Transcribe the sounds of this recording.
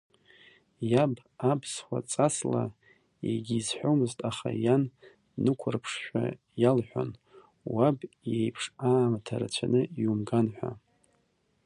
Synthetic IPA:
jab | absχʷa̰t͡sʼasla | jḛɡʲiːzħʷᶣomɨztʼaχajanː | ɨkʷʰʊrpʰʂʃᶣʷa̰ | jalħʷᶣo̰n | wabjejpʰʂaːmatʰaɾat͡ɕʷʰanɨiumɡanħᶣʷa̰

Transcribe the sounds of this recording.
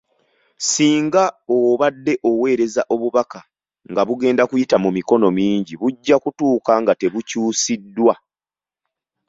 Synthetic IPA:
siːŋɡaoβadːe̞ʔo̞we̞ːɾe̞zaʔo̞βuβaka | ŋɡaβuɡe̞ːndakujitamumiko̞no̞miːɲɟiβuɟːakutuːkaŋɡate̞βucuːsidːwa

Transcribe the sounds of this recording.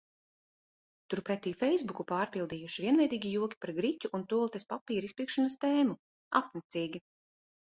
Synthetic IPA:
t̪uɾpɾɛt̪ːiːfɛjzbukupaːɾpilˠd̪iːjuʃiviɛnvɛjd̪iːɡʲijuɔkʲi̥paɾɡɾicʲuʔunt̪uɔlˠt̪espapiːɾispiːkʃanɐst̪ɛːmu | a̰pnɛt̪siːɡʲi

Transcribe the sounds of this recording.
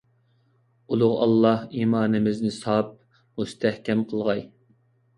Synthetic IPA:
ulˠʊʁɑ̰lˠːɑhiːmɑːnɪmɪznɪsɑp̚ | must̪ʰæhkʲʰɛmqʰəlˠʁɑj

